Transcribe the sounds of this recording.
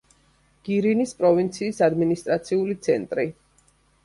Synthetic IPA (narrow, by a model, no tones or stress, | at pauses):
ɡ̥iɾinispʼɾɔvint̪sʰiːsad̪minist̪ʼɾat̪sʰiulit̪sʰɛnt̪ʼɾi